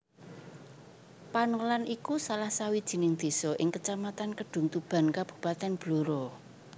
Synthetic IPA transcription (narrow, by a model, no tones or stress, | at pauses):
panolanikusalahsawid̥ʒ̥i̤nɪŋd̪̥e̤sɔʔɪŋkət͡ʃamat̪ankəɖ̥ʊ̤ŋt̪ub̥a̤nkab̥ṳ̥pat̪ɛnb̥loɾɔ